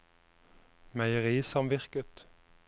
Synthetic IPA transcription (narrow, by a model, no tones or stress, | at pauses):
mæɪəʁiːsɑmʋɪʁkət̪